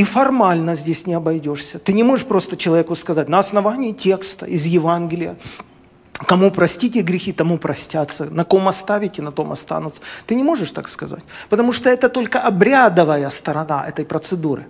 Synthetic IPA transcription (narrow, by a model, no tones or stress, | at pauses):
ifɐrmalʲnəzʲdʲesʲnʲɪɐbɐjdʲo̞ʂsʲət̪ɨnʲɪmo̞ʐɨʂpɾo̞st̪ət͡ɕɪlˠɐvʲekʊskɐzatʲnɐɐsnɐvanʲɪːtʲe̞kst̪ə̰ʔɪzjɪvanɡʲɪlʲɪjə̰ | kɐmupɾɐsʲtʲitʲɪɡɾʲɪxʲit̪ɐmupɾɐsʲtʲat̪sːənɐko̞mɐst̪avʲɪtʲɪnɐt̪o̞mɐ̰st̪a̰nʊt̪sə̥t̪ɨnʲɪmo̞ʐɨʂt̪a̰kskɐza̰tʲpət̪ɐmuʂt̪oɛt̪ət̪o̞lʲkəʔɐbɾʲad̪əvəjəst̪ɐɾɐnaʔɛ̰t̪əjpɾət̪sɨd̪uɾɨ̰